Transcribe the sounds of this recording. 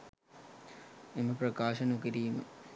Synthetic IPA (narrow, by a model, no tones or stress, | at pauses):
emɐprɐkaːʃɐnukiɾiːmə̰